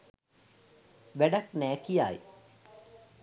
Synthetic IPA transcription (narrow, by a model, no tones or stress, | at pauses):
ʋæɖaknæːkijaːj